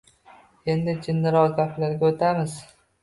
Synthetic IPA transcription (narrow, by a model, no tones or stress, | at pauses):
e̞nd̪ɪd͡ʒɪnːɪɾɒʁɡʲapʰlaɾɡʲaot̪ʰamɪz̥